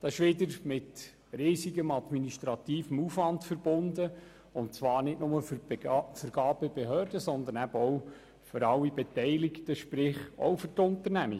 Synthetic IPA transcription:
d̥̪ɑɪʃʋɪdəɾmɪt | riːsiɡəmɑdminiʃt̪ɾɑt̪iːfəmuːfvɑntfəɾb̥ʊndə | ʊntt͡sʋɑːɾnɪtnʊməffəɾɡ̥ɑːb̥əb̥eɦœːɾdəsɔnd̪ənæbəɔw | føɾɑlːibɛtɛɪlɪktəʃpɾɪχɔ̰wfʏrtʊnt̪əɾnæmḭ

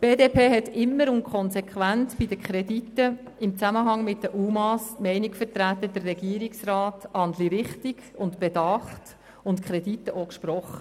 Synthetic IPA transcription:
b̥eːdeːpʰeːɦɛtɪmːəɾʊnkʰχɔnsɛkχwʋænt͡sb̥idəkχɾɛditːə | ɪmt͡sæməɦɑŋmɪt̚dəʔumɑsmɛɪnikfətɾætəd̥ərːɛɡ̥iːɾiksrɑːtɑndliɾɪχtiɡʊntb̥edɑχt | ʊntkʰχɾɛditːəʔokʃpɾɔχə

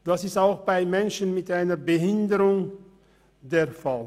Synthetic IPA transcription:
d̥asɪstaʊxb̥aɪmɛnʃənmɪtʔaɪnəbəɦɪndəʁʊŋ | deːɐfal

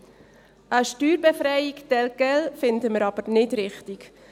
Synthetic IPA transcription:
ʔəʃtyːɾbɛfɾɛɪiktɛlɡɛlfɪndəməɾɑb̥əɾnɪdɾɪχtik

